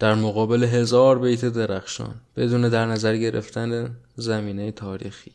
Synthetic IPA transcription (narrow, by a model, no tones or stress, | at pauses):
d̪̥æɾmoɣɒːbe̞le̞ɦe̞zɒːɾbejt̪ʰed̪eɾæxʃɒ̰ːnb̥e̞d̪uːne̞d̪æɾnæzæɾɟe̞ɾḛft̪ʰænezæmiːnejet̪ʰɒːɾḭːxiː